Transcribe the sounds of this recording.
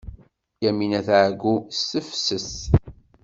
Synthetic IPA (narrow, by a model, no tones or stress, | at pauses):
jæminæθʕəɡusːəfsəs